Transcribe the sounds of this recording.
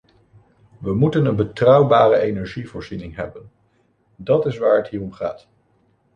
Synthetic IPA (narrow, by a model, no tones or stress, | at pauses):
ʋəmutənənbətrʌwbaːrəejnɛɹʒivʊːɹzinɪŋɦɛ̰bən | dɑtɪsʋaːɹɦətɦiːrɔmχa̰ːt